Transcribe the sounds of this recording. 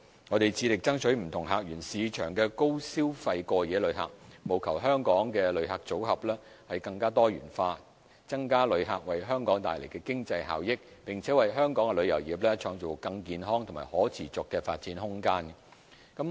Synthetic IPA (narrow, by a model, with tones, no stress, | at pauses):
ŋɔː˨˧t̪e˨jt͡sʰiː˨˧lɪ˨k̚t͡sɐ˥ŋt͡ʃʰɵ˨˥m̩˨˩t̪ʰʊ˨˩ŋɦaː˨k̚ɥyː˨˩nsiː˨˧t͡ʃʰœː˨˩ŋkɛː˧ko˥wsiː˥wfɐ˧jkɔː˧jɛː˨˧lɵ˨˧ɥɦa̰ː˨k̚mo˨˩wkʰɐ˨˩wɦœː˥ŋkɔː˨˥ŋkɛː˧lɵ˨˧ɥɦaː˨k̚t͡so˨˥whɐ˨p̚lɛː˥ | hɐ˨jkɐ˧ŋkaː˥t̪ɔː˥ɥy̰ː˨˩nfaː˧ | t͡sɐ˥ŋkaː˥lɵ˨˧ɥɦaː˨˩k̚wɐ˨jɦœː˥ŋkɔː˨˥ŋt̪a̰ː˨jle˨˩jkɛː˧kɪ˥ŋt͡sɐ˧jɦa̰ː˨wjɪ˥k̚pɪ˨ŋt͡sʰɛː˨˥wɐ˨jɦœː˥ŋkɔː˨˥ŋɛ˧lɵ˨˧ɥjɐ˨˩wjiː˨˩p̚lɛː˥t͡ʃʰɔː˧ŋt͡so˨˩kɐ˧ŋkiː˧nɦɔː˥ŋt̪ʰʊ˨˩ŋmaː˨˩hɔː˨˥t͡sʰiː˨˩t͡sʊ˨kːɛː˧fa̰ː˧t̚t͡siː˨˥nɦʊ˥ŋkaː˥n | kɐ˨˥m